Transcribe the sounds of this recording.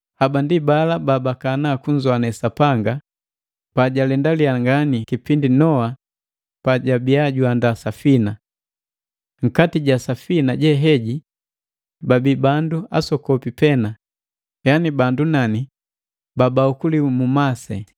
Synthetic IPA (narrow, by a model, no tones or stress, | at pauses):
habandibalababakanakuɲd͡ʒwanɛsapaŋɡa | paɟalɛndaliaŋɡanikipindinɔa | paɟabiaɟuandasafina | ŋ̩katiɟasafinaɟɛɦɛɟi | babibandua̰sɔkɔpipɛna | janibandunani | babaukulimumasɛ